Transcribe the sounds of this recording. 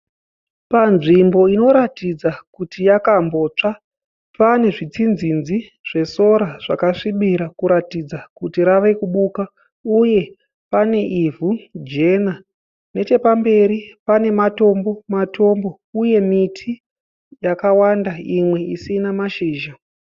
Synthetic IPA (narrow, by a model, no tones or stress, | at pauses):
panʐimbo̞ino̞ɾatid͡zakutijakambo̞t͡ʂa | pane̞ʐit͡sinzinziʐ̥e̞so̞ɾaʐ̥akaʂiɓiɾakuɾatid͡zakutiɾaʋekuɓuka | uje̞ | pane̞ʔivʱud͡ʒe̞na | ne̞t͡ʃe̞pambe̞ɾipane̞mato̞mbo̞mato̞mbo̞ | uje̞mitʰi | jakawandaimwe̞isinamaʃiːʒa